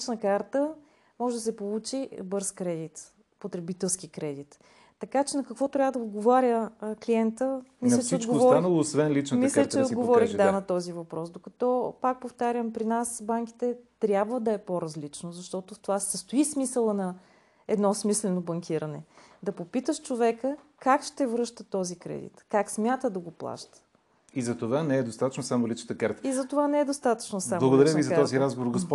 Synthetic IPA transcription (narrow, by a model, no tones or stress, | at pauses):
t͡ʃnəkaɾt̪ə | mɔʒɛd̪ɐsɛpolˠut͡ʃibɤɾskɾɛd̪it̪ | pot̪ɾɛbit̪ɛlˠskikɾɛd̪it̪ː | ɐkat͡ʃɛnɐkɐkvɔt̪ɾʲavəd̪ɐod̪̚ɡovaɾʲjəkliɛnt̪əmislʲət͡ʃɛod̪ɡovɔɾanɐlˠoːsvɛnlit͡ʃnmislʲət͡ʃɛod̪ɡovɔɾiɣd̪anɐt̪ɔzivɐpɾɔsd̪okɐt̪ɔpak̚poft̪aɾʲəmpɾinasbaŋk̟i̥t̪ɛt̪ɾʲabvəd̪ɐɛpoɾɐzlit͡ʃnozɐʃt̪ɔt̪oft̪ovasɛst̪oismisəlˠənɐ | ɛd̪nɔsmislɛnobɐŋkʲʰiɾənɛ̰d̪ɐpopit̪əʃt͡ʃovɛkə | kakʃt̪ɛvɾɤʃt̪ət̪ɔzikɾɛ̰d̪ḭt̪kaksmʲjat̪əd̪ɐɡoplˠa̰ʃt̪ə̥ | izɐt̪ovanɛɛd̪ost̪at̪ət͡ʃnosamolit͡ʃnət̪əkaɾt̪əizɐt̪ovanɛɛd̪ost̪at̪ə̥t͡ʃnosamlˠɐɡod̪ɐɾəvizɐt̪ɔziɾazɡovoɾɡosp